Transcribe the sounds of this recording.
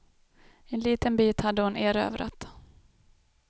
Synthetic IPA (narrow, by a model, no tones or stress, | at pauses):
ɛnliːt̪ənbiːt̪had̪ːəhʊneːɾø̰ːvɾa̰t̪